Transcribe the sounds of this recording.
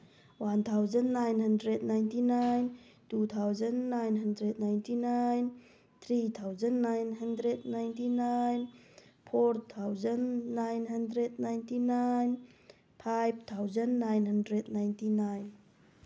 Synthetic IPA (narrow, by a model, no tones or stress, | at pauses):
want̪ʰawzənːajnɦandɾɛd̚najntinajn | tut̪ʰawzənːajnɦandɾɛd̚najntinajn | t̪ʰɾit̪ʰawzanːajnɦɐndɾɛd̚najntinajnpʰɔrt̪ʰawzanːajnɦandɾɛd̚najntinajn | pʰajb̚t̪ʰawzanːajnhandɾɛdnajntinajn